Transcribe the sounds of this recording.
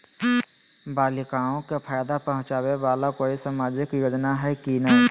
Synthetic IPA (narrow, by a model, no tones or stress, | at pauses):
baːlɪkaːõkepʰaːjd̪apəɦʊ̃t͡ʃaːweʋaːlakoːisaːmaːd͡ʒɪkjoːd͡ʒnaɦɛkinəɦ